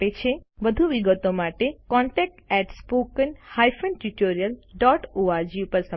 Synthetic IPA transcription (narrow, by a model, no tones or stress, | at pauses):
et͡ʃʰeʋəd̪ʱuʋiɡət̪omaʈekɔɳʈɛk̚ʈɛʈspokənhajfənʈuʈoɾijəlɖɔʈoaɾd͡ʒiupəɾsə